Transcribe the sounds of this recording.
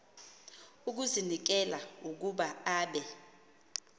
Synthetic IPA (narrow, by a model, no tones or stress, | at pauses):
uk̬uzinik̬ɛlauk̬uɓaaːɓɛ